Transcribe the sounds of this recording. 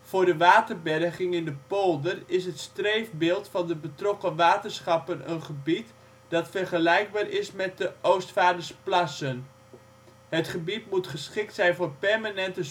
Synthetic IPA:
v̥ʊːrdəʋaːtərbɛrχɪŋɪndəpolˠdərɪsɦətstrejfbɪːlˠtfɑndəbətrɔkəʋaːtərsχɑpənənχəbit | d̥ɑtfərχəlɛjɡ̚baːrɪsmɛt̚dəʔowstfaːdərsplasən | hətχəbitmutχəsχɪk̚tsɛjnvoːrpɛrmanɛntə

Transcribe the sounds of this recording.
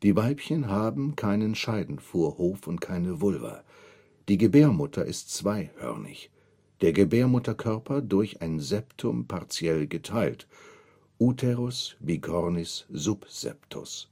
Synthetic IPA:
d̥iːvaɪpçənɦaːbm̩kʰaɪnənʃaɪdn̩foːɐhoːfʊntkʰaɪnəvʊlvɐ̰ | d̥iːɡəbeːɐmʊtʰɐʔɪstt͡sv̥aɪhœ̰ʁnɪ̰ç | d̥eːɐɡəbeːɐmʊtɐkʰœɐpʰɐdʊɐçʔaɪnzɛptʰʊmpʰaʁt͡sjɛlɡətʰaɪlt | ʔuːtʰɛʁʊsviːkʰɔʁnɪsz̥ʊpz̥ɛ̰ptʰʊ̰s

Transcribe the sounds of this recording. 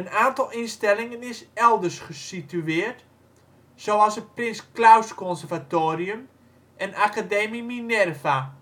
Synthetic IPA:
ənaːntɔlˠinstɛlɪŋənɪsɛlˠdərsχəsityɪːrt | soɔsətprɪnsklawskɔnsərvatoːriəm | ʔɛnakadeːmiminɛrva

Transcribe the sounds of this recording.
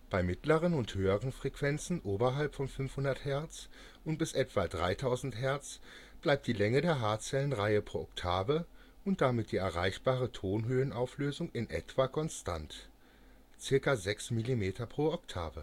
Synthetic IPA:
b̥aɪmɪtləʁənʊnthøːəʁənfʁ̥ɛkv̥ɛnt͡sn̩ʔoːbɐɦalpfɔmfʏnfhʊndɐthɛɐt͡s | ʔʊnt̚b̥ɪsʔɛtv̥adʁa̰ɪtʰaʊzn̩thɛɐt͡s | b̥laɪp̚t̚d̥iːlɛŋədeːɐɦaːt͡sɛlənʁaɪəpʁ̥oːʔɔktʰaːvɐ | ʔʊnt̚d̥amɪt̚d̥iːɛɐʁa̰ɪçb̥aːʁətʰoːnɦøːənaʊfløːzʊŋɪnʔɛ̰tv̥akʰɔnstʰa̰nt | t͡sɪɐkazɛksmilimeːtʰɐpʁ̥oːɔktʰa̰ːvɐ

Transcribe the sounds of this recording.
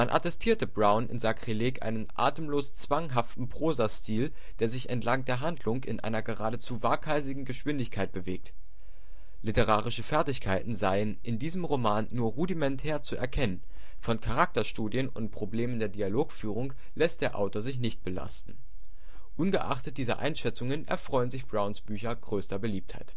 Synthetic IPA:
manʔa̰tɛstʰiːɐtəbʁaʊnʔɪ̰nzakʁ̥ileːkʔa̰ɪnənʔa̰ːtəmloːst͡sv̥aŋɦaftn̩pʁ̥oːzastʰiːl | d̥eːɐzɪçʔɛ̰ntlaŋdeːɐɦandlʊŋɪ̰nʔa̰ɪnɐɡəʁaːdət͡suːvaɐkʰaɪzɪɡŋ̩ɡəʃv̥ɪndɪçkʰaɪt̚b̥əveːk̚t | lɪtəʁ̞aːʁɪʃəfɛɐtɪçkʰaɪtn̩zaɪənʔɪndiːzəmʁomaːnːuːɐʁudimɛntʰɛːɐt͡suʔɛ̰ɐkʰɛnən | fɔnkʰaʁ̞ak̚tɐʃtuːdjənʊ̰nt̚pʁ̥obleːməndeːɐdialoːkfyːʁ̞ʊŋ | lɛst̚d̥eːɐʔa̰ʊtoːɐzɪç̬nɪçt̚b̥əla̰stn̩ | ʔʊnɡəʔa̰χtət̚d̥iːzɐ̰ʔa̰ɪnʃɛt͡sʊŋənʔɛ̰ɐfʁ̥ɔʏənzɪçb̥ʁaʊnsb̥yːçɐɡ̥ʁøːstɐbəliːp̚tha̰ɪt

